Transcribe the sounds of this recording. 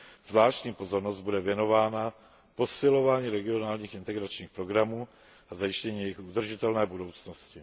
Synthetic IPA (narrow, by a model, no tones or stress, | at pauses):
z̥vlaːʃcɲiːpo̞zo̞ɾnozd̪̚budɛvjɛno̞vaːna | po̞sɪlo̞vaːɲiːɾɛɡɪo̞naːlɲiːxɪnt̪ɛɡɾat͡ʃɲiːxpɾo̞ɡɾamuː | azajɪʃcɛɲiːjɛjɪxʔud̪r̩ʒɪt̪ɛlnɛːbudo̞wt͡sno̞scɪ